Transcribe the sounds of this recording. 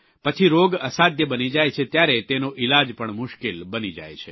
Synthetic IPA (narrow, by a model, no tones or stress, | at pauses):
pət͡ʃʰiɾoɡəsad̪jəbənid͡ʒajt͡ʃʰet̪jaɾet̪enoʔɪlad͡ʒpəɳmʊʃkelbənid͡ʒa̰jt͡ʃʰe